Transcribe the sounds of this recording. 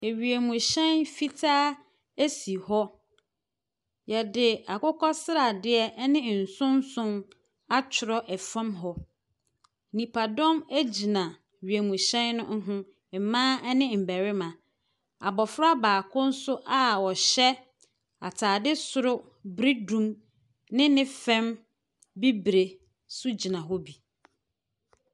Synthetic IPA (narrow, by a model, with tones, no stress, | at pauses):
e˨ɥi˨æ˨mũ˨ɕɛ̃˦nfi˦tʰaː˦ | æ˦si˨hɔ˦ | jɛ˨dɪ˨a˨kʊ˦kʰɔ˦sɪ˦ɾa˨dɪ˦ɛ˦nɪ̃˦˨n̩˨sʊ̃˦n˦sʊ̃˦n | a˦t͡ɕʰɪ˨ɾɔ˦ʔɛ˨fã˦mɦɔ˦ | nĩ˨pʰa˨dɔ̃˦mæ˦d͡ʑi˨nã˨ | ɥi˨æ˨mũ˨ɕɛ̃˦nːʊ̰̃˦ŋ̩˦ɦʊ̃˦ | m̩˨mãː˦ɛ˦nɪ̃˦m̩˨bæ˨ɾɪ˦mã˨ | a̰˨bɔ˨fɾa˦baː˨kʰʊ̃˦n̩˦sʊ˦ʔa˦wɔ˨ɕɛ˦ | a˨tʰaː˨dɪ˦sʊ˨ɾʊ˦ | bɾi˦dũ˦m | nɪ̃˦nɪ̃˦fɛ̃˦m | bi˦bɾe˨ | sʊ˦d͡ʑi˨nã˨ɦɔ˦bi˨